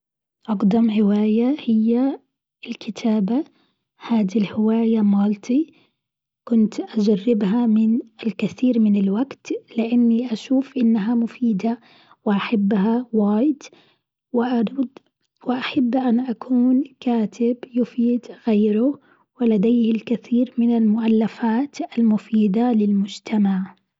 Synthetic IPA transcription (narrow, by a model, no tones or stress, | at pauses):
ʔɑɡd̪ɑmʕɪwaːjahɪjːa | ɪlkʰɪt̪ʰaːba | haːd̪ilhɪwaːjamɑːlt̪ʰi | kʊnt̪ʔad͡ʒarːɪbɦamɪnɪlkaθiːɾmɪnɪlwaɡt̪lɪʔanːiʔaʃuːfʔɪnːaɦamʊfiːd̪a | wɪʔaħabːɦawaːjd̪ | wɪʔaɾd̪ | wɪʔaħabːʔanʔakʰuːnkaːt̪ʰɪbjʊfiːd̪ɣeːɾʊ | wɪlad̪eːhɪlkɪθiːɾmɪnalmʊʔalːafaːt̪ʔalmʊfiːd̪alɪlmʊd͡ʒt̪ʰamaʕ